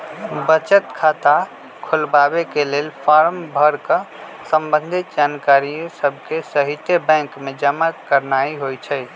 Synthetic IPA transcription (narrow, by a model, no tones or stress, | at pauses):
bət͡ʃət̪kʰat̪a | kʰulbabekelelpʰaɾmbʱəɾkə | səmbənd̪ʱit̪d͡ʒankaɾijosəb̚ʱkesəɦit̪ebɛ̃ŋkmed͡ʒəmakəɾnaiɦojt͡ʃʰəj